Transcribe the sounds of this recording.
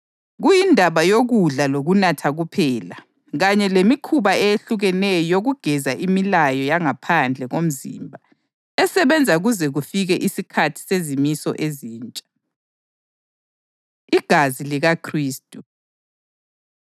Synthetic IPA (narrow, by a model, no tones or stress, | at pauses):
ɣujindʱaβajoɣuɮaloɣunatʰaɣupʰɛːla | ɣaɲɛlemikʰuβaɛjeɬuɣɛnɛjɔjoɣuɡ̥ʱɛzaʔimilajɔjaŋapʰand͡ɮʱɛɣom̩zḭːmbʱa | ɛsɛβɛnd͡zʱaɣuzɛɣufiɣɛʔisikʰatʰi̥sezimisɔ̰ʔeziːnt͡ʃʼḁ | iɡ̥ʱaziliɣakʰriːstʼu